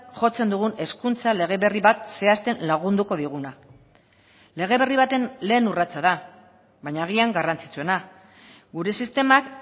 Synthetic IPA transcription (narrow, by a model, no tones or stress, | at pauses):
ʝo̞t͡se̞nd̪uɣ̞une̞skunt͡sale̞ɣ̞e̞βe̞riβat̪̚se̞ast̪e̞nlaɣ̞und̪uko̞ðiɣ̞una | le̞ɣ̞e̞βe̞riβ̞at̪e̞nle̞ːnurat͡sað̞a | βajɲaːɣiaŋɡarant͡si̥t͡sue̞na | ɡuɾe̞sist̪e̞mak